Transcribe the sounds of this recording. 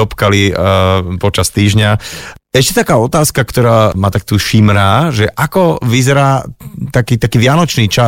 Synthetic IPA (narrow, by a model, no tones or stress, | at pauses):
ɔpkali | pɔt͡ʃast̪iːʒɲaɛʃcɛt̪akaːɔt̪aːskakt̪ɔɾaːmaːt̪akt̪uːʃimɾaːʒɛʔakɔʋizɛɾaːt̪akiːt̪akiːʋɪanɔt͡ʃniːt͡ʃa